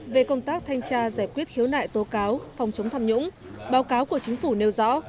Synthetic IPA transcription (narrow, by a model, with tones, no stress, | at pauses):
ve˨˩kə˧wŋ͡mt̪aː˦˥k̚t̪ʰa˧jŋ̟t͡ɕaː˧zaː˧˩jkwi˦˥ət̚xi˨˦əwna̰ː˧˨jt̪o˨˦kaː˨˦wfɔ˨˩wŋ͡mt͡ɕə˨˦ŋ͡mt̪ʰaː˧mɲʊ̰˧˥ŋ͡m | ɓaː˨˦wkaː˨˦wku˧˩ət͡ɕï˨˦ŋ̟fu˧˩ne˧wzɔ̰˧˥